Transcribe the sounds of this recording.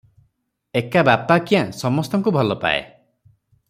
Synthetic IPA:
ekabapakijãsɔmɔst̪ɔŋkubʱɔlɔpa̰ḛ

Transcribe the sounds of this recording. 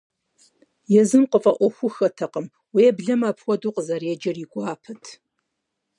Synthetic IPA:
jɛzɨmqəfʼɐʔʷɔxʷʊxɐtʰɐqəm | wijɛbɮɐmaːpʰwʷɔduːqəzɐrɛd͡ʒɐriɡʷaːpʰɐtʰ

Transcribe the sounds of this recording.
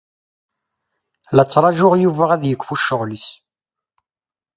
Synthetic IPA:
lət͡sːɾˤɑʒʊʁjuvæʁæðjəkːfuʃəʁlis

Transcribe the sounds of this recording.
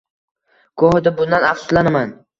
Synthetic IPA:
kʰohɪd̪abʊnd̪anafsʊ̥slanaman

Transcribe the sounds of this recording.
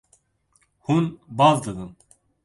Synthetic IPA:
hunbɑːvd̪ɨd̪ɨn

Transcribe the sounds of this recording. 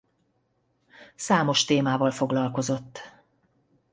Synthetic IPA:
saːmo̞ʃt̪eːmaːvɒlfo̞ɡlɒlko̞zo̞t̪ː

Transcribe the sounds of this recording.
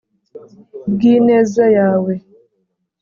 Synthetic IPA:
ɡinezejawe

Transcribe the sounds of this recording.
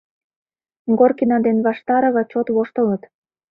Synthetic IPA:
ŋɡorkinɑd̪enβɑʃt̪ɑɾɤ̆βɑt͡ɕot̪βoʃt̪ə̆lət̪

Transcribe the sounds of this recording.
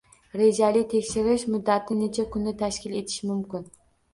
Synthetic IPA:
ɾed͡ʒalɪt̪ʰe̞kʲʃɪɾɪʃmʊd̪ːat̪ʰɪnet͡ʃʰakʰʊnːɪt̪ʰaʃkʲɪle̞t̪ʰɪ̥ʃɪmʊmkʲɪn

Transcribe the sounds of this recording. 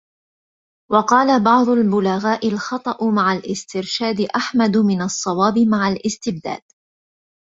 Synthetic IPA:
wɑqɑːlabɑʕd̪ˤʊlbʊlaɣaːʔɪlxɑt̪ˤɑʔmaʕalʔɪst̪ɪɾʃaːd̪ɪʔaħmad̪mɪnɑsˤːɑwɑːbɪmaʕalʔɪst̪ɪb̚d̪a̰ːd̪̥

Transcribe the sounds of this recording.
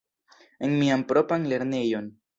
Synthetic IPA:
enmiampɾo̞panle̞ɾnejo̞n

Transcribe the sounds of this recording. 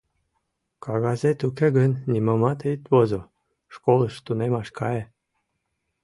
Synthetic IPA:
kɑɣɑzet̪ukeɣənʲːiməmɑt̪ejt̪βozo | ʃkoləʃt̪unemɑʃkɑje

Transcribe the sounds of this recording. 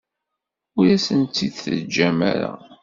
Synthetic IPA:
ʊɾæsənt̪ːiðθəd͡ʒːæmæ̰ɾa̰

